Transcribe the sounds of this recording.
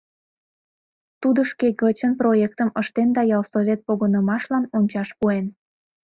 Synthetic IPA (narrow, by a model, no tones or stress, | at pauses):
t̪ud̪əʃkeɡət͡ɕənproekt̪əməʃt̪end̪ɑjɑlsovʲet̪̚poɣənəmɑʃlɑnonʲt͡ɕɑʃpuen